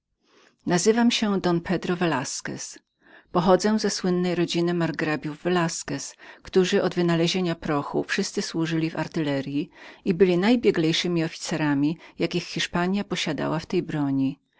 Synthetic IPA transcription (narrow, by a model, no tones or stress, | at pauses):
nazɘvamɕɛd̪ɔnpʰɛd̪ɾɔvɛlaskɛ̰s | pɔxɔd̪zɛw̃zɛswɘnːɛjɾɔd͡ʑinɘmaɾɡɾabʲjuvːɛlaskɛskt̪uʐɘʔɔd̪vɘnalɛʑeɲapɾɔxṵfʂɘst̪sɘswuʐɘlʲiva̰ɾt̪ɘlɛɾʲjiibɘlʲinajbʲjɛɡlʲɛjʂɘmʲiɔfʲi̥t̪sɛɾamʲijakʲixːʲiʂpaɲjapɔɕad̪a̰waft̪ɛjbɾɔɲi